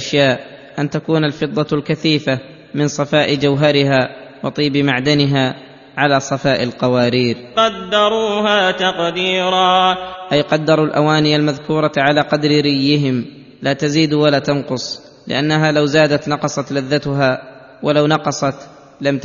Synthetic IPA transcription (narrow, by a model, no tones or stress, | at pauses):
aʃjaːʔ | ʔant̪akuːnalfɨd̪ˤːɑlkaθiːfa | mɪnsˤɑfaːʔɪd͡ʒawɦɑɾɪɦaːwɑt̪ˤiːbɪmaʕd̪anɪɦaː | ʕalaːsˤɑfaːʔɪlqɑwaːɾiːɾqɑd̪ːɑɾˤuːhaːt̪ɑqd̪iːɾɑːʔajqɑd̪ːɑɾˤulʔa̰waːnɪjalmaðkuːɾˤɑʕalaːqɑd̪ɾɪɾɪjːɪɦɪm | laːt̪aziːd̪walaːt̪ɑnqʊsˤ | lɪ̰ʔanːaɦaːlawzaːd̪at̪nɑqɑsˤɑt̪laðːat̪ʊɦaː | walawnɑqɑsˤɑt̪ | lam